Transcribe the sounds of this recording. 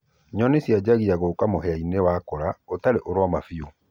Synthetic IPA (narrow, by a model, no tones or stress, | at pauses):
ɲɔnesjad͡ʑaɣiaɣokamoɦɛainewakɔɾaotaɾeʔoɾwamafio